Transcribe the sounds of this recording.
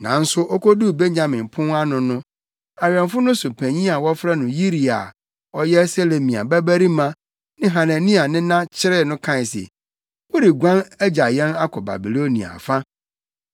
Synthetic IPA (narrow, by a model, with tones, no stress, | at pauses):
nã̰˨n̩˦sʊ˦ʔɔ˦ko˦du˦˨be˦ɲɲã˨mɪ̃˨mpʰʊ̃˦a˦nʊ̃˨nʊ̃˦ | a˨ɥɛ̃˨nfʊ˦nʊ̃˦sʊ˨pʰæ˨ɲĩ˦a˨wɔ˦fɾɛ˦nʊ̃˨ji˦ɾi˨a̰˨ | ɔ˦jɛ˦se˦le˨mĩ˨a̰˨bæ˦bæ˦ɾi˦mã˦ | nɪ̃˦ɦã˨næ̃˨nĩ˦a˨nɪ̃˦nã˦t͡ɕʰɪ˦ɾɪ˦nʊ̃˦kʰã˦˨sɛ̰˨ | wɔ˦ɾi˨ɡʷã˦næ˦d͡ʑa˨jɛ̃˦na˦kʰɔ˨ba̰˨bi˨lo˦nḭ̃˨a̰˨fa˦